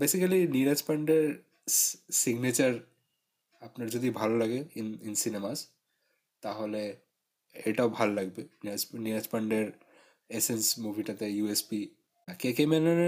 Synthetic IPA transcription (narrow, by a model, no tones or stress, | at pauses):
besikɐliniɾat͡ʃpəɳɖeɾ | siɡnet͡ʃəɾ | apnaɾd͡ʒɔd̪ibʱalolaɡeninsinemas | t̪aɦole | eʈaobʱalːaɡbenid͡ʒniɾat͡ʃpəɳɖeɾ | esensmubʱiʈat̪ejuespi | kekemenen